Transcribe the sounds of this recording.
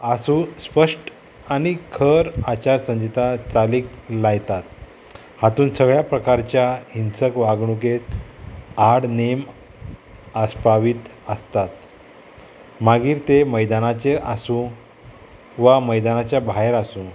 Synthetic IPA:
asuspəʂʈ | añikʰəɾat͡ɕaɾsə̃ɲd͡ʑit̪at͡saliːklajt̪at̪̚ | hat̪uːnsəɡɭjapɾəkaɾt͡ɕjainsəkʋaɡɳuket̪ | aɽnem | əspaʋiːt̪əst̪at̪ | maɡiːɾt̪eməjd̪anat͡ɕeʔasũ | ʋaməjd̪anat͡ɕjabʱaeɾasũ

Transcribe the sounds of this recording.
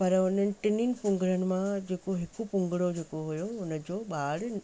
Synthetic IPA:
pɐɾʊnənɪ̆ʈɪnɪnpʊ̃ŋɡɾənɪ̆mãd͡ʑeːkoɦɪkupʊ̃ŋɡɪɽod͡ʑeːkoɦujoʊnəd͡ʑoːɓaːɽ

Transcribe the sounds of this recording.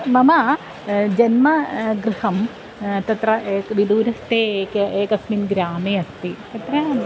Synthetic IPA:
mɐmɐ | d͡ʒɐnmɐɡɾɨhɐm | t̪ɐt̪ɾɐʔeːkʋid̪uːɾɐst̪eːkeːkɐsminɡɾaːmeːɐst̪it̪ɐt̪ɾɐ

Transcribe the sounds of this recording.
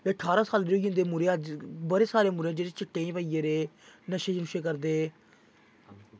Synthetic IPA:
eːəʈʰaːɾãːsaːlɾoːɡĩːnd̪eːmʊɾed͡ʒbəɾeːsaːɾeːmʊɾẽad͡ʒeːɾet͡ʃɪʈːẽːĩːpəiːeːɾeː | nəʃẽːd͡ʒənuʃeːk̬əɾd̪eː

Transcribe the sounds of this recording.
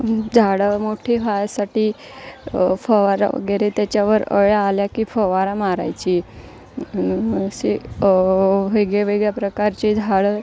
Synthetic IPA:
d͡zʱaɽəmoʈʰefajsaʈiː | fəʋaɾa̰ə̰ɡeɾet̪jat͡ɕjaʋəɾə̰ɭjaːljakifəʋaɾamaɾa̰jt͡ɕi | si | ʋeɡɭeʋeɡɭjapɾəkaɾt͡ɕed͡zʱaɽə

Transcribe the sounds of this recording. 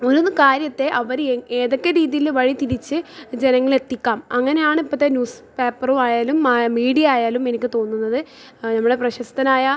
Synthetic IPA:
oɾunukaːɾjɐt̪ːe̞ʔɐʋɐɾeŋe̞ːðo̞kːe̞ɾiːðijilʋɐɻit̪iɾit͡ɕːɨd͡ʑe̞nɐŋːɐɭe̞t̪ːikʲːaːmɐŋːɐne̞jaːɳɨipːɐt̪ːenjuːs | peːpːɐrumaːjaːlumaːmiːɽijɐaːjaːlume̞nikʲːɨt̪o̞ːnːunːɐðɨ | nɐmːuɽe̞prɐɕɐst̪ɐnaːjɐ

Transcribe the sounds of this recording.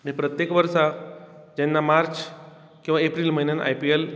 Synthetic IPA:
aɽ̃ipɾət̪jekʋəɾʃad͡ʑɛ̃nːamaɾt͡ʃ | kĩw̃ʋaepɾiːlməinanʔa̰jpiel

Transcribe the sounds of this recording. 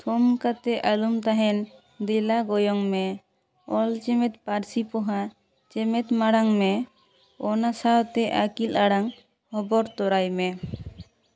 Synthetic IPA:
t̪ʰɔmkat̪ɛʔalumt̪aɦɛn | d̪ɛlaɡɔjɔŋmɛ | ɔlt͡ʃɛmɛt̪paɾsipɔɦa | t͡ʃɛmɛt̪maɽaŋmɛ | ɔnasat̪ɛʔakilaɽaŋ | hɔbɔɾt̪ɔɾajmɛ

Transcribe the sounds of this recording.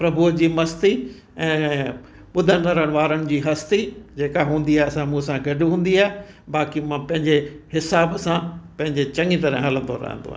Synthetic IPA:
pɾɐbʱuəd͡ʑiːmɐst̪i | ɛ̃ː | ɓʊd̪ʱə̃nəɾəɽ̃ʋaːɾəɽ̃ɪ̆d͡ʑiːɦɐst̪id͡ʑeːkaɦũːn̆d̪iaːɦesãmũsãɡɐɖɦũːn̆d̪iaːɦe | baːkimãpɐ̃ɦɪ̃ɲd͡ʑehɪsaːbsãpɐ̃ɦɪ̃ɲd͡ʑet͡ɕɐ̃ŋit̪ɐɾə̃ɦɐlə̃nd̪o̰ɾɐ̰ɦə̰̃nd̪o̰a̰ː

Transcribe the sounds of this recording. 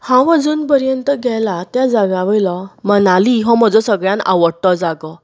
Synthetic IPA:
hãʋəd͡zuːnpəɾjənt̪əɡʱɛlat̪jad͡zaɡãʋəjlɔmənaliɦɔ̃məd͡zɔsəɡɭjãna̰ʋəɽʈ̪ɔd͡zaɡɔ

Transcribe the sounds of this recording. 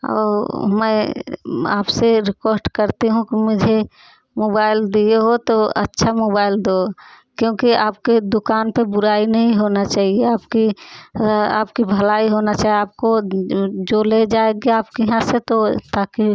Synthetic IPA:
ɔ̰ːɾmɛ̃ | a̰ːpseɾɪkosʈkəɾt̪iɦũkimʊd͡ʒʱe | moːbaːɪld̪ieɦot̪oɐ̰tːʃʰamoːbaːɪld̪oː | kjõːkiaːpked̪ʊkaːnpebʊɾaːinɐɦĩɦoːnat͡ʃaːɦieaːpki | a̰ːp̚kibʱɐlaːiɦoːnat͡ʃaːɦieaːp̚ko | d͡ʒoled͡ʒaːeɡeaːpkiɦãset̪ot̪aːki

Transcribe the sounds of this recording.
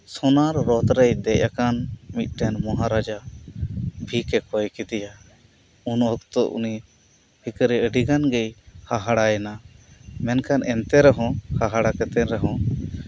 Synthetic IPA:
sɔnaɾːɔt̪ɾɛjd̪ɛʔakanmit̪̚ˀɖɛnmɔɦaɾad͡ʒa | bʱikɛkɔjkid̪ɛja | unɔkt̪ɔʔṵni | hikɾɛəɖiɡanɡɛjhaɦaɽajɛnamɛnkʰanɛnt̪ɛɾɛɦɔ̃haɦaɽakɛt̪ɛnɾɛɦɔ̃

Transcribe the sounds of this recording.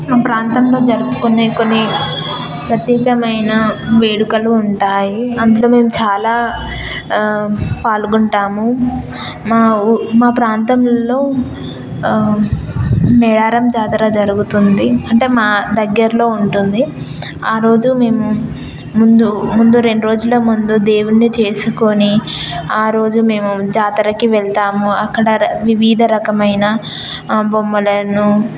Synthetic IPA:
maːpɾaːnt̪ɐmlo̞ːd͡ʒɐɾupu̥kuneːko̞nːi | pɾɐt̪jɛːkɐmɐjnɐʋeːɽukɐluːɳʈaːjiɐnd̪uloːme̞ːmut͡ʃaːlaː | paːlɡuɳʈaːmu | maːmaːpɾaːnt̪ɐmlo̞ː | mɛɽaːɾɐmd͡ʒaːd̪ɐɾaːd͡ʒɐɾuɡut̪und̪iɐɳʈe̞ːmaːd̪ɐɡːɐɾlo̞ːuɳʈund̪i | aːɾo̞ːd͡ʒume̞ːmu | mund̪umund̪uɾe̞ɳɖuɾo̞ːd͡ʒulɐmund̪ud̪e̞ːwunːit͡ʃe̞ːsuko̞ni | aːɾo̞ːd͡ʒume̞ːmud͡ʒaːt̪ɐɾɐkiʋɛɭt̪aːmuɐkːɐɽɐʋiʋiːd̪ʱɐɾɐkɐmɐjnɐ | bomːɐlɐnu

